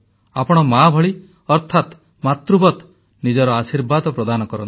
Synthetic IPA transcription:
apɔɽ̃ɔmabʱɔɭi | ɔɾt̪ʰat̪ | mat̪ɾubɔt̪ | nid͡ʒɔɾɔasiɾbad̪ɔpɾɔd̪anɔkɔɾɔn

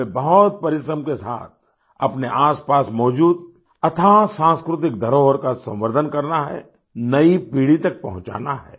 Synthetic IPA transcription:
ebɐɦɔt̪̚pɐɾɪʃɾəmkesa̰ːt̪̚ʰ | ɐpneʔaːspaːsmɔːd͡ʒuːd̪̚ | ɐt̪ʰasãːnskɾʊt̪̬ɪk̚d̪ʱɐɾoːʋəɾkasɐ̰̃mʋəɾd̪ʱənkɐɾnaɦɛ̰ | nɐipiːɽit̪ɐk̚pɐɦʊ̃t͡ʃa̰ːnaɦɛ̰ː

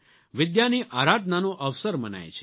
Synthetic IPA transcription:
ʋɪd̪janiʔaɾad̪nanoʔəʋsəɾməna̰jt͡ʃʰe

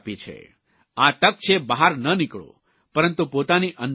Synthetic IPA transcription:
pit͡ʃʰḛ | at̪ək̚t͡ʃʰebaɦaɾnənikɭõ̰ | pəɾənt̪upot̪aniʔə̃n

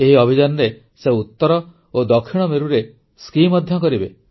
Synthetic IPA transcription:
eɦiɔbʱid͡ʒanɔɾe | seut̪ːɔɾɔ | od̪ɔkʰːiɽ̃ɔmeɾuɾe | skimɔd̪ʱjɔkɔɾibe

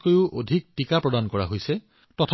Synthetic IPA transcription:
kojʊʔodʱik̚tikapɹɔdankɔɹaɦojse | tɔtʰ

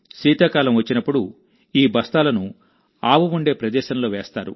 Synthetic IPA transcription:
siːt̪aːkaːlɐmʋɐt͡ʃːinɐpːuɽu | iːbɐst̪aːlɐnu | aːʋuʋuɳɖe̞ːpɾɐd̪ɛːʃɐnlo̞ːʋeːst̪aːɾṵ

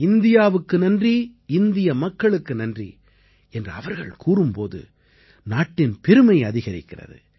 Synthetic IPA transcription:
ɪnd̪ɪjaːʋɯkːɯnɐndriɪnd̪ɪjɐmɐkːɐɭɯkːɯnɐndrḭ | ɛndrɯɐ̰ʋɐɾɣɐ̰ɭkʰuːrɯmpo̰ːðɯ̰ | naːʈːɪnpɛɾɯmɐɪɐðɪɣɐɾɪkːɪrɐ̰ðɯ̰

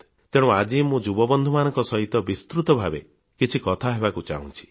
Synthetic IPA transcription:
t̪eɽ̃ɔ̃ad͡ʒimũd͡ʒubɔbɔnd̪ʱumanɔ̃ŋkɔsɔɦit̪ɔbist̪ɾut̪ɔbʱabḛ | kit͡ʃʰikɔt̪ʰaɦebakut͡ʃa̰ũt͡ʃʰi̥

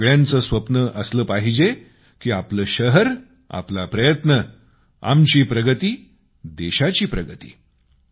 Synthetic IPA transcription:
ɭjãnt͡səsʋəpnəʔəsləːpaɦid͡ʑe | kiːapləːɕəɦəɾ | a̰plapɾəjət̪nə | a̰mt͡ɕiːpɾəɡət̪iː | d̪eɕat͡ɕiːpɾəɡət̪i̥̰ː

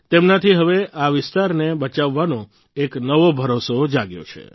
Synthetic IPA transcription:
t̪emnat̪ʰiɦəʋeʔaʋɪst̪aɾnebət͡ʃaʋːanõ | eknəʋobʱəɾosod͡ʒaɡjo̰t͡ʃʰḛ

